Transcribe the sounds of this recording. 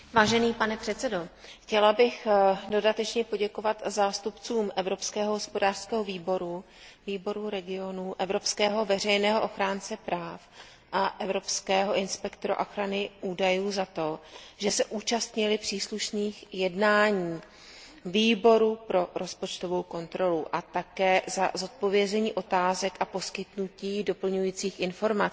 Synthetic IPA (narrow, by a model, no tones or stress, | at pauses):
vaːʒɛniːpanɛpr̝̥ɛt̪t͡sɛdo̞xcɛlabɪxdo̞dat̪ɛt͡ʃɲɛpo̞ɟɛko̞vat̪zaːst̪upt͡suːmʔɛvɾo̞pskɛːɦoɦospo̞daːr̥skɛːɦoviːbo̞ɾu | viːbo̞ɾuɾɛɡɪo̞nuʔɛvɾo̞pskɛːɦo̞vɛr̝ɛjnɛːɦoʔo̞xɾaːnt͡sɛpɾaːf | ʔaʔɛvɾo̞pskɛːɦo̞ʔɪnspɛkt̪oɾoʔoxɾanɪʔuːdajuːzat̪o̞ʒɛsɛʔuːt͡ʃast̪ɲɪlɪpr̝̥iːsluʃniːxjɛdnaːɲiː | viːbo̞ɾupɾo̞ɾo̞spot͡ʃt̪o̞vo̞wko̞nt̪ɾo̞luʔat̪akɛːzazo̞t̪̚po̞vjɛzɛɲiːʔo̞t̪aːzɛkʔapo̞skɪt̪nuciːdo̞pl̩ɲujiːt͡siːxʔɪnfo̞ɾmat͡s